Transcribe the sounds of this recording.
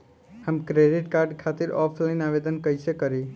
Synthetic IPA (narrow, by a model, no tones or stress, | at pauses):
həmkɾeɖiʈkaɾɖkʰat̪iɾɔpʰlaɪnaʋed̪ənkəjsekəɾi